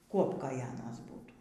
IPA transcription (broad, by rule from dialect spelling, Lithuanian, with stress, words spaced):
ˈkuɔpkoːj ˈɑːnɐs ˈbuːtuː